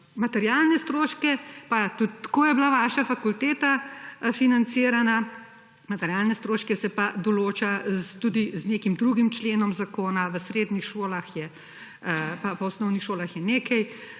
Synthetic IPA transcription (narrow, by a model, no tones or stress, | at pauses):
mat̪ɛɾjalnɛst̪ɾoːʃkɛpat̪ut̪kojɛblaʋaːʃafakult̪eːt̪afinant̪siːɾana | mat̪ɛɾjaːlnɛst̪ɾoːʃkɛsɛpad̪ɔloːt͡ʃat̪ud̪izneːkimd̪ɾuɡimt͡ʃleːnɔmzakoːnaʋəsɾeːd̪nixʃoːlaxjɛ | papɔɔsnɔwnixʃoːlaxjɛneːkɐj